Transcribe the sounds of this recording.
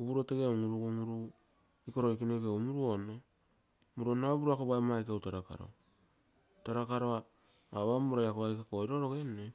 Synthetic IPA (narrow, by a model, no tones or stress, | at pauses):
uβuɾoteɡeaŋuɾuɡuŋuɾu | iko̞ɾoikinekeumuɾuono | muɾuonoabuɾuakoβajmajkawtaɾaka̰ɾo̰ | taɾakaɾoa | aβamuɾajakoajkakoiɾoɾoɡene